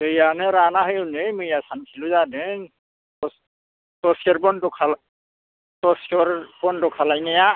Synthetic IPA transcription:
ejanɛɾanaɦɯjunejmɯjasankʰiluzadeŋ | tɔs | tɔsɔɹbɔndɔkʰal | tɔsɔɾbɔndɔkʰalajnɛja

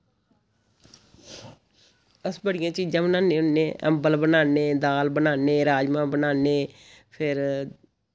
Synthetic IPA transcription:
əsbəɽɪjãːt͡ʃiːd͡ʒãːbənaːneːʊnːeːə̰mbəlbənaːneːd̪aːlbənaːneːɾaːd͡ʒmãːbənaːneː | pʰɪɾ

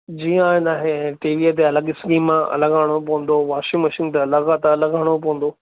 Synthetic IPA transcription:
d͡ʑiːə̃aːɪ̃naːɦeɛ̃ːʈiːʋiət̪̬eɐləɡɪskiːmmãʔɐ̰ləɡaːɽ̃opɐɦə̃nd̪oʋaːʃimɐʃĩnt̪̬eɐləɡaːt̪ɐləɡaːɽ̃op̬ɐɦə̃nd̪oː

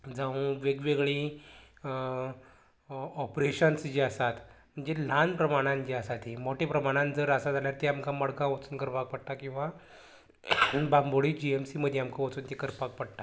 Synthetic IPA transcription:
d͡zaũʋeɡʋeɡɭi | ɔpɾeɕənsd͡ʑiəsat̪ | m̤əɳd͡zel̤anpɾəmaɽ̃ãnd͡ʑiəsat̪emoʈepɾəmaɽ̃ãnd͡zəɾəsad͡zaljaɾt̪eamkaməɽɡãʋət͡suːnkəɾpak̚pəɽt̪akĩw̃ʋa | bamboɽiːd͡ʑiemsiməd̪ʱːeamkaʋət͡suːnt̪ekəɾpak̚pəɽt̪a

